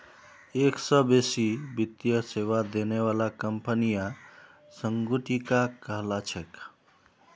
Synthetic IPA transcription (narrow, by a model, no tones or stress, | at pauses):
eksəbesibit̪jəseʋad̪eneʋalakəmpənija | səŋɡuʈikakəɦlat͡ʃʰɛk